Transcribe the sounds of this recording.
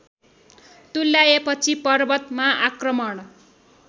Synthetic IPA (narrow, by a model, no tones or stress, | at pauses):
t̪ulːajepʌt͡sʰipʌrbʌt̪maakrʌmʌɽ